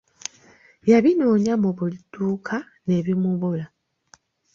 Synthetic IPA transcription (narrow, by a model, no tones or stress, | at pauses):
jaβinoːɲamuβulitːuːkʰa | ne̞ːβimuβula